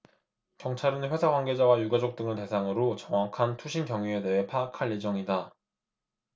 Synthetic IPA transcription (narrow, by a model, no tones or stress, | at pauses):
kjʌŋt͡ɕʰaɾɯnɸwe̞sʰaɡwanɡe̞d͡ʑawajuɡad͡ʑok̚t͈ɯŋɯɭte̞sʰaŋɯɾot͡ɕʌŋwakʰantʰuɕʰinkjʌŋjue̞de̞ɦe̞pʰaːkʰaɭje̞d͡ʑʌŋida